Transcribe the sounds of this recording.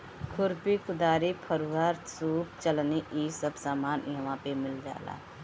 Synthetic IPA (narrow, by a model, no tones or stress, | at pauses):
kʰʊɾpikʊd̪aːɾipʰəɾuːaːɾsuːpt͡ʃəlneʔiːsəbsaːmaːnjɐʋãːpemɪld͡ʒa̰ːla̰ː